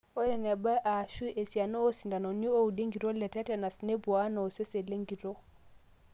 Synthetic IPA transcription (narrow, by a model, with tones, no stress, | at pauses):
o˦ɾɛ˨ne˨ba˦ʔa˨ʃu˦e˨si˨a˨no˦o˦si˨nda˨no˨ni˦o˦u˨de˦ŋɡi˨ɾo˦lɛ˨tɛ˦tɛ˨na˨sne˦bu˨a˦no˨o˨se˦se˨le˦ŋɡi˨ɾo˦